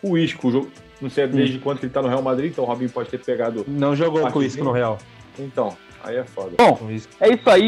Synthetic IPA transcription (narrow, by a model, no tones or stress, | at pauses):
ʊiʃkʊʒoɡʊ | nɐ̃w̃sejd̪ezd͡ʒɪkwɐ̃t̪ʊkelɪt̪anʊɦeawmad̪ɾiĩt̪ɐ̃w̃hobĩpɔd͡ʒɪt̪eɾpeɡad̪ʊnɐ̃w̃ʒoɡowakõiʃkʊnʊɦeaw | ẽt̪ɐ̃w̃ | a̰iɛfɔd̪ɐbõiʃkʊɛisʊai